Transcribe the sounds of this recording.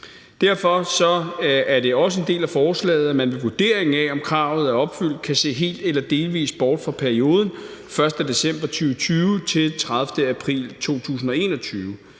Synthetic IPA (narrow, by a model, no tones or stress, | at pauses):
d̥æɐ̰fɒ̽sɒ̽æɐd̥e̝ɒ̽səe̝nd̥e̝̰ːlæfɒːslɛ̰ːð̞̩ˠæmænʋe̝ʋuɐd̥e̝ɐ̰eŋ̩æɒ̽mkʰʁɑ̈ːʊð̩ˠæɐɒ̽b̥fyl̰d̥̚kʰæse̝̰ːɦe̝̰ːld̥elɐd̥e̝ːlʋḭːsb̥ɒːd̥fʁɑ̈pʰæɐio̝ːð̞ˠn̩ | fɶɐsd̥əd̥e̝sem̰b̥ɐt͡sʰyːʊət͡sʰyːʊət͡sʰe̝lt͡sʰʁäð̞ˠfd̥əæpʰʁḭːlt͡sʰo̝̰ːt͡sʰṵːs̬n̩ɒ̽e̝̰ːnɒ̽t͡sʰyːʊə